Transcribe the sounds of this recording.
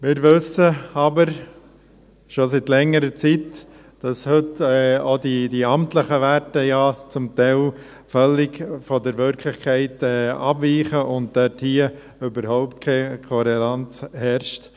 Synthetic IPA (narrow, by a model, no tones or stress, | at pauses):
mɪːɾʋʏsəɑbəɾ | ʃositlɛŋːəɾət͡sit | d̥ɑshʏtɛodid̥iɑmtləχəʋæɾtəjɑt͡sʊmtɛɪl | fœlːɪɡfɔdəɾʋʏɾkʰlɪχkʰɛɪtɛɑbviːχəʔʊnt̚d̥œthiə | ʏbəɾhɔʊptkʰeːkʰɔɾelɑnt͡shɛɾʃt